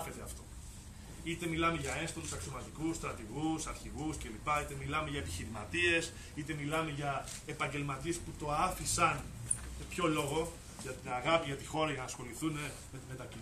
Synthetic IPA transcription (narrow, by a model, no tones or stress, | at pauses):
çet̪eɐ̰ft̪o̞ | it̪e̞milɐme̞ʝɐe̞nst̪olusɐksiomɐzikusst̪ɾɐt̪iɣusɐɾçiɣusce̞lipɐit̪e̞milɐme̞ʝɐepiçiɾimɐ̰t̪ie̞s | it̪e̞milɐme̞ʝɐ | epɐɲɟe̞lmɐt̪ie̞sput̪o̞ɐfisɐn | sepço̞lo̞ɣo̞ | ʝɐt̪inaɣɐpiʝɐt̪ixo̞ɾɐʝɐnɐsxo̞liθune | me̞t̪ime̞t̪ɐci